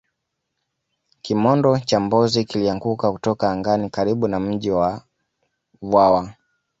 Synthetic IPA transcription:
kimɔndɔt͡ʃambɔzikiliaŋɡukakutɔkaːŋɡanikaɾiɓunam̩ʄiwa | vwawa

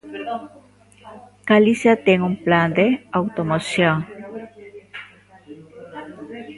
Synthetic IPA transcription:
ɡ̥alisjat̪eŋumpland̪eawt̪omosjoŋ

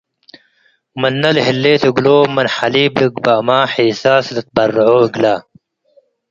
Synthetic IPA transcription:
mɐnːɐlɦilːeːt̪eɡloːmɐnħaliːbliɡbaːmaːħiːsaːslɐt̪̚bɐrːʕoːɡlaː

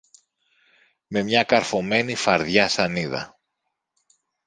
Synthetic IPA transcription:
me̞mɲɐkɐɾfo̞me̞nifɐɾðʝɐsɐniðɐ̰

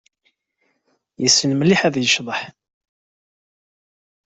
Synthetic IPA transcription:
jəsːənmliħæðjəʃðˤəħ

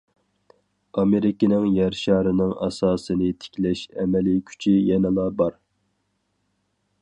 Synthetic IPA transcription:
ɑmeɾɪkʲɪnɪŋjæɾʃɑːɾɨnɨŋɑ̰sɑːsɨnɨt̪ʰɪ̥kʲlɛʃɛmɛlikʲʰy̥t͡ʃʰijɛnɪlˠɑbɑɾ

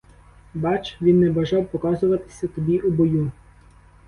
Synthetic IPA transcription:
bɑt͡ʃʋʲinːɛbɐʒɑwpɔkɑzʊʋɐt̪ɪ̥sʲɐt̪ɔbʲiʔubɔju

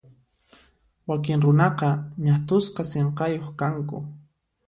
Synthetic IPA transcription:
wakɪŋɾʊnɑqɑɲat̪ʊsqɑseɴqɑjoχkaŋkʊ̰

